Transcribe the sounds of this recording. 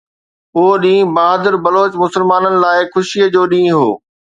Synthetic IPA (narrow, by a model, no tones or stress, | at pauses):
oːɗĩːbaːɦd̪əɾbɐloːt͡ɕmʊsəlmaːnənɪ̆laːɪxʊʃiəd͡ʑoːɗĩːɦo̰ː